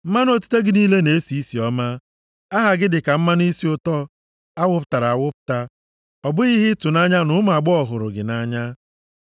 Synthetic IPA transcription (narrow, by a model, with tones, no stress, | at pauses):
m̩˦ma˦n˦o˦tu̥˦te˦ɡɪ˦niː˦le˦ne˨˦si˨˦i˦si˨ɔ˦ma˦ | a˦ɦa˨ɡɪ˦dɪ˨ka˨m̩˦ma˦n˦i˦si˨˦ʊ˦tɔ˦ | a˦wʊ˦pʊ˨ta˨ɾa˨a˨wʊ˦pʊ̥˨ta˦ | ɔ˨bʊ˦i˦ɦɪ˦tʊ˨na˦ɲa˦nʊ˦ma˨ɡ͡bʊ˦ɔ˨ɦʊ˨ɾʊ̰˨ɡɪ˨na˦ɲa˦